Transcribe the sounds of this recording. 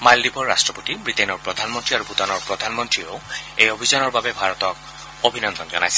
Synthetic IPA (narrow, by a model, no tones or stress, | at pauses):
maldibʱɔɹːa̰stɹɔpot̪ibɹit̪enɔɹpɹɔd̪ʱanmɔntɹiaɹubut̪anɔɹpɹɔd̪ʱanmɔntɹioʊejobʱizɔnɔɹbabebʱaɹɔt̪ɔk̚ | obʱinɔnd̪ʱɔnzɔ̰najsɛ̥